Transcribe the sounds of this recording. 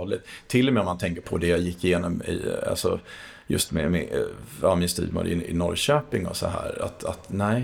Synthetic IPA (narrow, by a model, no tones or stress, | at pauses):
lɪt̪t̪ʰːɪlːɔmɛːɔmant̪ʰɛŋkəɾpʰɔd̪ɛjajɪkːɪjeːnɔmɪ̰a̰lsɔ | jɵst̪mɛmɛamɪnst̪y̰ːd̪mo̰ːd̪ɪɪnɔɾɕøːpɪŋɔ̰sɔ̰ɦæːɾa̰t̪at̪næɪ